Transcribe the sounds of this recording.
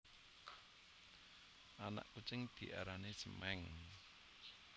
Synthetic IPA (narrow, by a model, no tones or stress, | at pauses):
ʔana̰ʔkut͡ʃɪŋd̪̥iʔaɾanesəmɛŋ